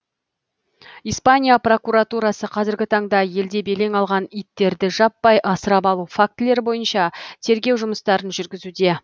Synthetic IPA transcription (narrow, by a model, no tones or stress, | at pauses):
ijspanʲijapro̞kuɾat̪uɾɑsəqʰɑzɪɾɡʲɪt̪ʰɑɴd̪ɑje̞ld̪e̞be̞le̞ŋɑlˠʁɑnijt̪ːe̞ɾd̪ɪʒɑpːɑjʔɑsəɾɑpɑlˠufak̚t̪ɪle̞ɾbo̞jənʃɑt̪ʰe̞ɾɡʲe̞wʒʊməst̪ɑɾənʒʏɾɡʲɪzud̪e̞